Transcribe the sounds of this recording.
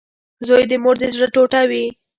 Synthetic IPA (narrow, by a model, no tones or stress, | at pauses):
zojd̪əmoɾd̪ezʐəʈoʈawi